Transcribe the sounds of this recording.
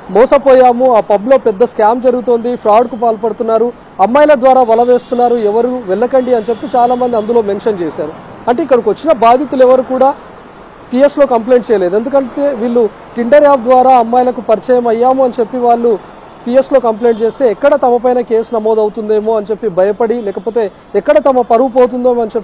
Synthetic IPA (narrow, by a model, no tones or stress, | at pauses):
mɔːsɐpoːjaːmuaːpɐblo̞ːpɛd̪ːɐskaːmd͡ʒɐɾuɡut̪oːnd̪ipʰɾaːwɖkupaːlɐpɐɽut̪unːaːɾu | ɐmːɐːjlɐd̪ʋaːɾaːʋɐlɐʋe̞ːst̪unːaːɾuɛʋɐɾuʋɛɭːɐkɐɳɖiɐnit͡ʃe̞pːit͡ʃaːlaːmɐnd̪iɐnd̪ulo̞ːme̞nʃɐnt͡ʃɛːsaːɾu | ɐɳʈeikːɐɽɐkʋɐt͡ʃːinɐbaːd̪ʱit̪ulɛʋɐɾukuːɽaː | pieslo̞ːkɐmple̞ːɳʈ̚t͡ʃɛːjɐleːd̪e̞nd̪ukɐɳʈe̞ːʋiːɭːu | ʈiɳɖɐɾaːb̚d̪ʋaːɾaːɐmːaːjlɐkupɐɾit͡ʃɐjɐmɐjːaːmuɐnit͡ʃe̞pːiʋaːɭːu | pijeslo̞ːkɐmple̞ːɳʈt͡ʃe̞ːst̪e̞ːɛkːɐɽɐt̪ɐmɐpɐjnɐke̞ːsnɐmo̞ːd̪ɐwut̪und̪e̞ːmoːɐnt͡ʃe̞pːibʱɐjɐpɐɽilɛːkɐpo̞ːt̪e̞ː | ɛkːɐɽɐt̪ɐmɐpɐɾʋupo̞ːt̪̬und̪oːɐnt͡ʃepː